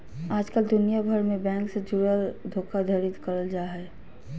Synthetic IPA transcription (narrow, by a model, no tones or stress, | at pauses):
aːd͡ʒkəld̪ʊnijabʱəɾmẽbɛ̃ːŋksed͡ʒʊɾəld̪ʱoːkad̪ʱəɾɪt̪kəɾəld͡ʒaːɦɛ